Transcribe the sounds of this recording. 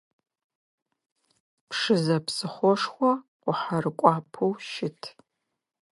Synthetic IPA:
pʰʂɨzɐpsɨχʷɔʂxʷɔqʷʊħarɨkʷʼɑːpʰuwʃɪtʰ

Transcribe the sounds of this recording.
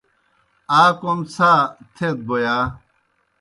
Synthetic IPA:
aːkomsʰaːt̪ʰet̪̚bojaː

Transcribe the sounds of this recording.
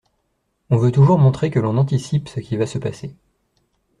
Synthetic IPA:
ɔ̃vøt̪uʒuʁmɔ̃t̪χekəlɔ̃nɑ̃t̪isipsəkʲivasəpase

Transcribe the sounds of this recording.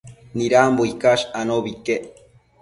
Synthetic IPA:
niɾamboikaʃanoβike

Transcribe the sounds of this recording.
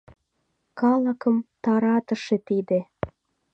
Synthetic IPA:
kɑləkəmt̪ɑɾɑt̪ə̆ʃet̪id̪e

